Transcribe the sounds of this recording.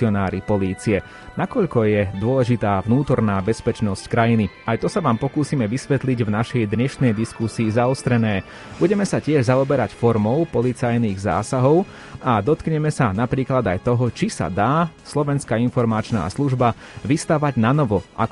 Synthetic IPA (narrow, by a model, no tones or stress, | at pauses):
ɪɔnaːɾipɔliːt͡siɛ | nakɔʎkɔjɛd̪ʊɔlɛʒit̪aːvnuːt̪ɔɾnaːbɛspɛt͡ʃnɔsckɾajiniajt̪ɔsaʋaːmpɔkuːsiːmɛʋisʋɛt̪liɟvnaʃɛjd̪ɲɛʃnɛjd̪iskusiːzaɔst̪ɾɛnɛː | b̥uɟɛmɛsacɪɛʒzaɔbɛɾacfɔɾmɔʊpɔlit͡sajniːɣza̰ːsaɦɔʊ | ad̪ɔt̪kɲɛmɛsanapɾiːklad̪ajt̪ɔɦɔt͡ʃisa̰d̪aːslɔʋɛnskainfɔɾmat͡ʃna̰ːsluʒba | ʋist̪aʋaɟnanɔʋɔʔa̰k